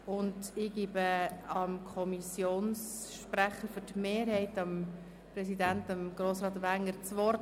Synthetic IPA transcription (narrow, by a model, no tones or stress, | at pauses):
ʊndɪɡ̥iːbəɑmkʰɔmisjoːns | ʃpɾæχːəɾfʏtmeːɾhɛɪtɑm | pɾɛsidæntɑmɡ̥ɾoːsɾɑːt̪ʋæŋəɾt͡sʋɔɾt